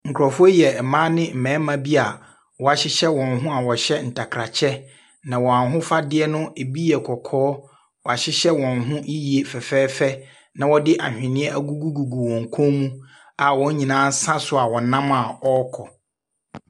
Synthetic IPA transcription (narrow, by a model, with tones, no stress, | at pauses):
ŋ̩˨kʰɾɔ˨fʊ˦ɔ˦jɛ˨mã˦nɪ̃˦m̩˨mɛ̃ː˨˦mã˦bi˦a˨ | wɔ˨a˨ɕɪ˦ɕɛ˦wɔ̃˨nɦʊ̃˦a˨wɔ˨ɕɛ˦n̩˨tʰa˨kʰɾa˨t͡ɕʰɛ˦ | nã˨wɔ˨a˨ɦʊ̃˦fa˦dɪ˦ɛ˦nʊ̃˦e˨bi˦ɛ˨kʰɔ˨kʰɔː˨˦ | wɔ˨a˨ɕɪ˦ɕɛ˦wɔ̃˨nɦʊ̃˦ʔi˦ji˨e˨fɛ˨fɛː˦fɛ˦ | nã˨wɔ˦dɪ˦ʔa̰˨hᶣɪ̃˨nɪ̃˦ɛ˦ʔa˦ɡu˦ɡu˦ɡu˨ɡu˨wɔ̃˨ŋ̩˨kʰɔ̃˦mũ˦ | a˨wɔ̃˦ɲ˦ɲĩ˨nãː˦n˦sã˦sʊ˦a˨wɔ˨nã˦ma˨ɔ˦kʰɔ˨